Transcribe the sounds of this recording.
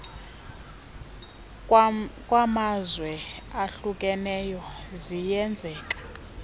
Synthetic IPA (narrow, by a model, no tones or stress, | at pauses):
kʼwamazwɛaɬukʼɛnɛjɔzijɛnd͡zʱɛːkʼḁ